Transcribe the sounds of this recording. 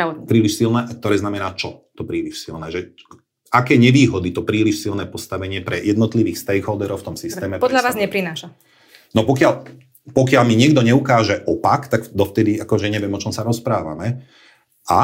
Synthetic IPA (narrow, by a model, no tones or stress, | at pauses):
pɾiːliʃsilnɛːʔak̚t̪ɔɾɛːznamɛnaːt͡ʃɔt̪ɔpɾiːliʃsilnɛːʒɛ | akɛːɲɛʋiːɦɔd̪it̪ɔpɾiːliʃsilnɛːpɔst̪aʋɛɲɪɛpɾɛjɛd̪nɔt̪liʋiːxst̪ɛjɣɦɔːd̪ɛɾɔʊft̪ɔmsist̪ɛːmɛpɔdʎaʋaːzɲɛpɾinaːʃa | nɔpɔkɪal | pɔkɪalmiɲɪɛɡd̪ɔɲɛukaːʒɛʔɔpakt̪akd̪ɔft̪ɛd̪iakɔʒɛɲɛʋɪɛmɔt͡ʃɔmsaɾɔspɾaːʋa̰mɛ | a